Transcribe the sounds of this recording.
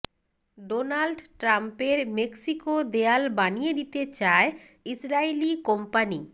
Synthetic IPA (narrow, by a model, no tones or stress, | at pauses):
ɖonalɖʈɾampeɾmeksikod̪ealbanijed̪it̪et͡ɕae | isɾailikompani